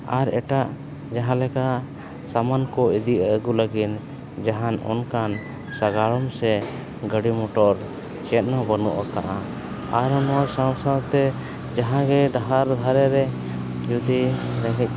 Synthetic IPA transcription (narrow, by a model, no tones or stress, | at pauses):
aɾɛʈaʔ | d͡ʒaɦãlɛkaʔ | samankɔid̪iʔaɡuləɡin | d͡ʒaɦanɔ̰nkan | saɡaɭɔmsɛ | ɡəɽimɔʈɔɾ | t͡ʃɛt̪̚nabənɔʔaka̰ʔa | aɾɔnwaɾsãwsadt̪ɛ | d͡ʒaɦãɡɛɖ̪aɦaɾd̪ʱaɾɛɾɛ | d͡ʒud̪iɾɛɡɛc̚